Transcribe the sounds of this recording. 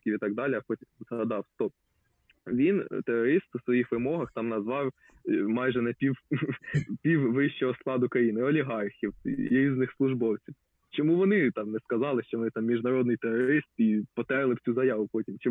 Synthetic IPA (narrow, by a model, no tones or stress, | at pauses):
kʲiʋit̪ɑɡ̚d̪ɑlʲiɐxɔtʲzɦɐd̪ɑwt̪ɔ | ʋʲint̪eɾɔɾɪst̪wsʋɔjixʋɪmɔɦɐxt̪ɑmnɐzʋɑw | mɑjʒɛnɛpʲiw | pʲiwʋɪʃt͡ʃɔɦɔsklˠɑd̪ʊkɾɐjinɪɔlʲiɦɑrxʲiw̰ɾʲiznɪxslˠʊʒbɔwt͡sʲiw | t͡ʃɔmuʋɔnɪt̪ɑmnɛskɐzɑlˠɪʃt͡ʃɔʋɔnɪt̪ɑmːʲiʒnɐɾɔd̪̚nɪjt̪eɾɔɾɾɪst̪ipɔt̪ɛɾlˠɪwt͡sʲuzɐjɑʋʊpɔtʲimt͡ʃɔ